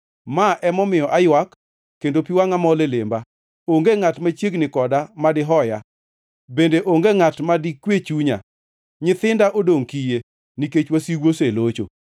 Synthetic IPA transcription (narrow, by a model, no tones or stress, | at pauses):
maʔɛmɔmɪjɔʔajwakː | endopiwaŋamɔlelɪmba | oŋɡeŋatmat͡ʃjeɡnɪkɔdamadɪɦɔja | bendeʔoŋɡeŋatmadikwet͡ʃuɲa̰ | ɲɪt̪ɪndaʔodoŋkije | niket͡ʃwasiɡwoselot͡ʃo̰